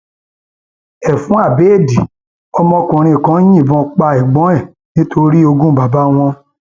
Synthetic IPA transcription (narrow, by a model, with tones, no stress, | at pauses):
ɛ˨fũ˨˦a˦˨be˨˦˨di˨ | ɔ˧mɔ̃˧kũ˨ɾ̃ĩ˧˨kã˨˦j̃ĩ˦˨bɔ̃˧˦k͡pa˧i˨ɡ͡bɔ̃˨˦ɛ˦˨ | nĩ˦tʰo˧ɾi˦o˧ɡũ˦ba˨ba˦w̃ɔ̃˧